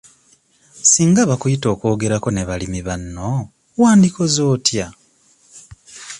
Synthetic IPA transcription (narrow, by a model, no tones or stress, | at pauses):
siːŋɡaβakujito̞ːko̞ːɡe̞ɾako̞neβalimiβanːo̞ | waːndiko̞zo̞ːtja